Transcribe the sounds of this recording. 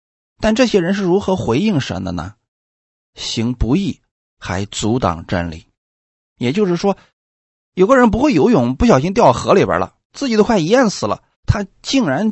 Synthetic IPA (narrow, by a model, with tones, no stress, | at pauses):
t̪a˥˧nʈ͡ʂɤ˥˩ɕjɛ˥ɻə˧˥nʂ̬ɻ̩˥˩ɻu˧˥xɤ˧˥xwe˧˥ɪi˥˩ŋʂə̰˧˥nd̪ə̰˧nə̰˧˩ | ɕi˧˥ŋpu˧˥i˥˩ | xa˧˥ɪt͡su˧˥t̪ɑ̰˨˩ŋʈ͡ʂə̰˥nlḭ˨˩˦ | jɛ˨˩t͡ɕjo˥˧ʊʂɻ̩˥˩ʂwɔ˥ | jo˨˩ʊɡə˦ɻə˧˥np̬u˧˥xwe˥˩ɪjo˧˥ʊjʊ˨˩˦ŋpu˥˩ɕjɑ˨ʊɕ̬i˥ŋt̪̬jɑ˥˩ʊəxɤ˧˥li˨˩bə̰˞˧˥lə̰˧ | t͡sɹ̩˥˩t͡ɕi˨˩t̪o˥xwa˥˩ɪi˧˥ja˥˩nsɹ̩˨˩lə̰˦ | t̪ʰa˥t͡ɕi˥˩ŋɻa˧˥n